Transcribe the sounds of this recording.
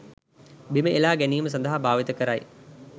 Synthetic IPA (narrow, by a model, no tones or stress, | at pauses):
biməʔelaːɡɛnijməs̬ɐnd̪əɦabʱaːʋit̪əkɐɾa̰j